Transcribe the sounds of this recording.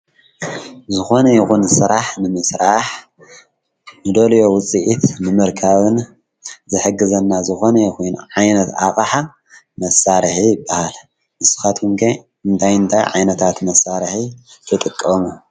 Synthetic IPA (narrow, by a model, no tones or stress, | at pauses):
zɨxo̞nɐjixunsɨɾaħnɨmɨsɾaħ | nɨd̪oljo̞wʊt͡sʼiʔit̪ʰnɨmɨɾkʰaβɨn | zɨħɨɡːɨzɐnːazɨxo̞nɐjxujnʕajnɐt̪a̰χʼħa | mɐsaɾɨħijɪbːahal | mɨsɨ̥xat̪ɨŋkʰe | ɨnt̪ʰajɨnt̪ʰajʕa̰jnɐt̪ʰat̪mɐsaɾɨħit̪ʰɨt̪ʼɨkʼːɐmu